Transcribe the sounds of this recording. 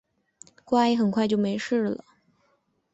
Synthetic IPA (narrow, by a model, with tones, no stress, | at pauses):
kwa˥˧i˧˥xə˨˩nkʰwa˥˧ɪt͡ɕjo˥˩ʊme˧˥ɪʂɻ̩˥˩lə̰˩